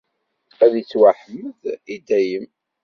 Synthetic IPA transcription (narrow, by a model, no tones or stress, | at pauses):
æðit͡sːwaħəmːəðid̪æjəm